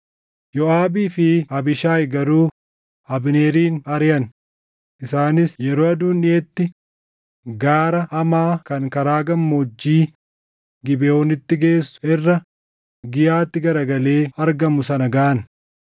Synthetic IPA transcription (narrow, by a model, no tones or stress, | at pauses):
jɔaːbiːfɪɐbɪʃaːjɡɐɾuː | ɐbɪne̞ːɾiːnɐɾjɐn | ʔɪsaːnɪsjɛɾoːɐd̪uːnɪeːt̪ːɪ | ɡaːɾɐʔɐmaːkɐŋkɐɾaːɡɐmːoːd͡ʒːiː | ɡɪbɛoːnɪt̪ːɪɡeːsːʊ̥ɛrːɐ | ɡɪjaːt̪ːɪɡɐɾɐɡɐle̞ːɐɾɡɐmʊsɐnɐɡaʔɐn